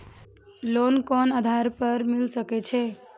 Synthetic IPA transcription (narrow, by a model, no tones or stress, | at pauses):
lonkɔnad̪ʱaɾpəɾmilsəkɛt͡ʃʰɛ